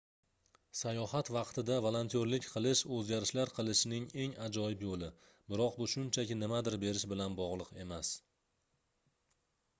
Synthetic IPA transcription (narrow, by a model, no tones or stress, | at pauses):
sajɒhat̪vɑqt̪ʰɪd̪avolˠont̪ʰijoɾlɪkʲqʰɨlˠɪʃɵzɡʲaɾɪʃlaɾqʰɨlˠɪʃɪnɪŋe̞ŋad͡ʒɒjɪpjolɪ | bɪɾɒqbʊʃʊnt͡ʃʰakʲɪnɪmad̪ɪɾbe̞ɾɪʃbɪlanbɒʁlˠɨqe̞mas